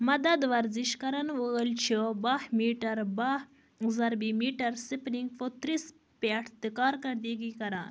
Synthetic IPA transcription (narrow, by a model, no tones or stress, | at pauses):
mɐd̪ɐd̪ʋɐɾziʃkɐɾɐnʋəəlt͡ʃʰibɐhmiːʈɐɾbɐh | zɐɾbimiːʈɐɾsipniŋɡfot̪ɾis | paʈʰt̪ikaːɾkɐɾd̪eːɡikɐɾa̰ːn